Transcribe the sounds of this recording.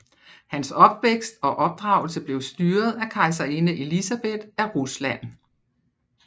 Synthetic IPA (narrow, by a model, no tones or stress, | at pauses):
hænsɒ̽b̥ʋeɡ̥sd̥ɒ̽ʔɒ̽b̥̚d̥ʁɑ̈ʊl̩səb̥le̝ʊsd̥yːɐð̞̩ˠækʰɑ̈ɪs̬æinəʔe̝lisæb̥e̝d̥æɐʁuslæn̰